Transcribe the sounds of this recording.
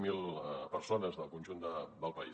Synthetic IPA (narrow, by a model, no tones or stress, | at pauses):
milˠpəɾsonəzðəlˠkunʲʒund̪əd̪əlˠpəi